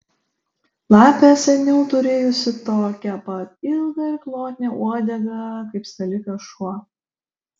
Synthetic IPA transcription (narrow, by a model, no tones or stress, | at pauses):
lˠɑːpʲɛsʲɛnʲɛʊt̪ʊɾʲeːjʊsʲɪt̪oːkʲɛpɐt̪ɪlˠɡɐɪɾklˠoːt̪ʲnʲɛuɔd̪ʲɛɡɐkɐɪpst̪ʲɐlʲɪkɐʃuɔ